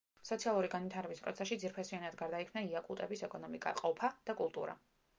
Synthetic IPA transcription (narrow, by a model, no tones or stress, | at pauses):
sɔt̪sʰialˠuɾiɡanwit̪ʰaɾɛbispʼɾɔ̰t̪sʰɛsʃid̪ziɾpʰɛsianad̪ɡaɾd̪aikʰmnaiakʼulˠt̪ʼɛbisɛkʼɔnɔmikʼa̰qʼɔpʰad̪̥akʼulˠt̪ʼṵɾa̰